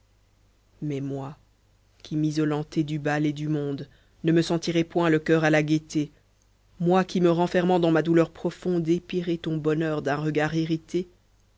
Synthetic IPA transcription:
mɛmwa | kʰʲimizɔlɑ̃t̪ɛd̪ybaled̪ymɔ̃d̪ | nəməsɑ̃t̪iʁɛpwɛ̃ləkʲœʁalaɡʲet̪e | mwakʲiməʁɑ̃fɛʁmɑ̃d̪ɑ̃mad̪ulœʁpχɔfɔ̃d̪epiʁɛt̪ɔ̃bɔnœʁd̪ɛ̃ʁəɡaʁiʁit̪e

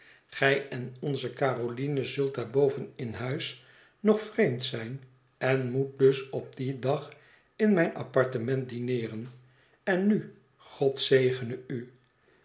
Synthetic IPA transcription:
χɛjɛnɔnzəkaːrolinəzɵlˠt̚daːɹbowvənɪnɦœɥs | nɔχfrejmtsɛjn | ɛnmut̚dɵsɔb̚didɑχ | ɪnmɛjnʔɑ̰pɑɹtəmɛnt̚dinɪːrən | ɛnːy | χɔtsejχənəy

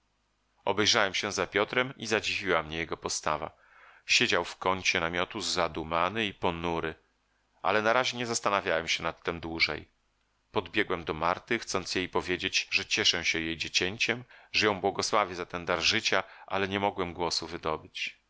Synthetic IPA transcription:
ɔ̰bɛjʐawɛmɕɛ̃zapʲjɔt̪ɾɛmizad͡ʑivʲiwamɲɛjɛɡɔpɔst̪ava̰ | ɕɛd͡ʑawfkɔɲt͡ɕɛnamʲjɔt̪uzːad̪umanɘipɔnuɾɘ | ʔa̰lɛnaɾaʑeɲɛzast̪anavʲjawɛmɕɛnat̪ːɛmd̪wuʐɛ̰j | pɔd̪bʲjɛɡwɛmd̪ɔmaɾt̪ɘxt̪sɔnt̪sjejpɔvʲjed͡ʑed͡ʑʐɛt͡ɕɛʂɛ̃ɕɛjejd͡ʑet͡ɕɛɲt͡ɕɛmʐɛjɔ̃w̃bwɔɡɔswavʲɛzat̪ɛnd̪aɾʐɘt͡ɕaʔa̰lɛɲɛmɔɡwɛmɡwɔsuvɘd̪ɔbɘt͡ɕ

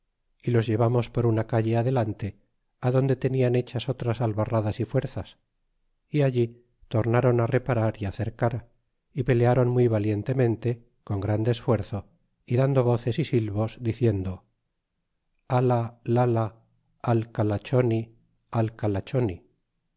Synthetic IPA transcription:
ilo̞zʝe̞βamo̞spo̞ɾunakaʝe̞aðe̞lant̪e̞ | aðo̞nd̪e̞t̪e̞niane̞t͡ʃaso̞t̪ɾasalβaraðasifwe̞ɾθas | iaʎi | t̪o̞ɾnaɾo̞nare̞paɾaɾiaθe̞ɾkaɾ | ipe̞leaɾo̞nmwuijβalje̞nt̪e̞mẽ̞nt̪e̞ | ko̞ŋɡɾand̪e̞ːsfwe̞ɾθo̞ | iðand̪o̞β̞o̞θe̞sisilβo̞zd̪iθje̞nd̪o̞ | alalalaː | lkalat͡ʃo̞ni | alkalat͡ʃo̞ni

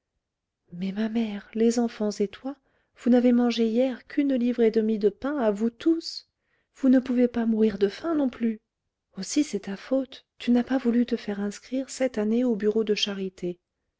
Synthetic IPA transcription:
mɛmamɛʁlezɑ̃fɑ̃zet̪wa | v̥unavemɑ̃ʒejɛʁkʲʰynlivʁed̪əmid̪əpɛ̃avut̪us | v̥unəpuvepamuʁiʁd̪əfɛ̃nɔ̃ply | osisɛt̪afot̪ːynapavulyt̪əfɛʁɛ̃skχiʁsɛt̪aneobyʁod̪əʃaʁit̪e

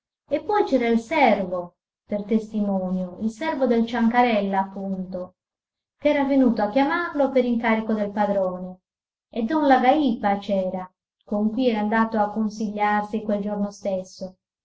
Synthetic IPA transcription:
epːɔjt͡ʃɛːɾailsɛrvo | pert̪est̪imɔːnjoilsɛrvod̪elt͡ʃaŋkaɾɛlːaːpːunt̪o | kɛːɾavenuːt̪oakːjamarlopeɾiŋkaːɾikod̪elpad̪ɾɔːne | ed̪ɔnlaɡaipat͡ʃɛːɾa | koŋkwiɛɾand̪aːt̪oakːonsiʎːarsikweld͡ʒornost̪esːo

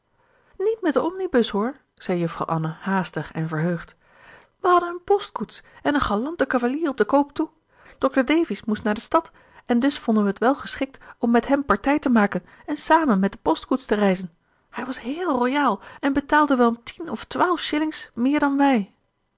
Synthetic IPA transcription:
nitmɛt̚dəɔmnibɵsɦʊɹ | z̥ɛjjɵfrɑ̰wʔɑnahaːstəχɛ̰nvəɹɦøɥχt | ʋəɦɑdənənpɔstkutsɛnənχalɑntəkavaliːrɔb̚dəkowptu | d̥ɔk̚təɹdejvɪsmustnaːɹdəstɑt | ɛndɵsfɔndənʋəɦətʋɛlˠχəsχɪk̚tɔmːɛtɦɛmpɑɹtɛjtəmaːkən | ɛnsaːmənmɛt̚dəpɔstkutstərɛjzən | hɛjʋɑsɦɪːlˠrojaːlˠɛnbətaːlˠdəʋɛlɔmtʰinɔftʋaːlˠfʃɪlɪŋsmɪːɹdɑnʋɛj

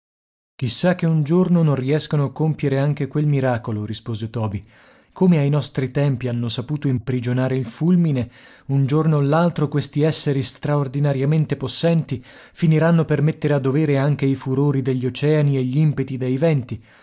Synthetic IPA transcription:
k̟isːak̟ːeund͡ʒornonõnriɛskonoakːompjeɾeaŋk̟ekwelmiɾaːkoloɾispoːzet̪ɔːbi | komeajnɔst̪ɾit̪ɛmpianːosapuːt̪oimpɾid͡ʒonaːɾeilfulmine | und͡ʒornoalːalt̪ɾokwest̪iɛsːeɾist̪ɾaord̪inaɾjament̪eposːɛnt̪ifiniɾanːopermet̪ːeɾead̪ːoveːɾeaŋk̟eifuɾoːɾid̪eʎːot͡ʃɛːanieʎːiimpet̪id̪ejvɛnt̪i

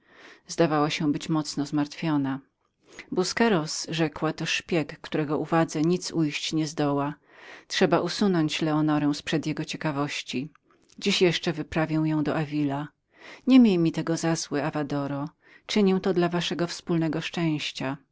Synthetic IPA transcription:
zd̪avawaɕɛbɘt͡ɕmɔt̪snɔzmaɾt̪fʲjɔna | buskɛɾɔsʐɛkwat̪ɔʂpʲjɛkːt̪uɾɛɡɔʔuvad̪zɛɲit̪sujɕt͡ɕɲɛzd̪ɔwa | tʂɛbaʔusunɔɲt͡ɕlɛɔnɔɾɛw̃spʂɛd̪jɛɡɔt͡ɕɛkavɔɕt͡ɕi | d͡ʑiɕjɛʂt͡ʂɛvɘpɾavʲjɛw̃jɔ̃w̃d̪ɔʔavʲila | ɲɛmʲjejmʲit̪ɛɡɔzazwɪavad̪ɔɾɔ | t͡ʂɘɲiw̃t̪ɔd̪lavaʂɛɡɔfspulnɛɡɔʂt͡ʂɛ̃w̃ɕt͡ɕa

